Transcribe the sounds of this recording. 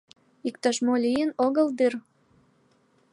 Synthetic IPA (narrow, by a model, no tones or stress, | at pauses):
ikt̪ɑʃmolʲijənoɣəld̪yr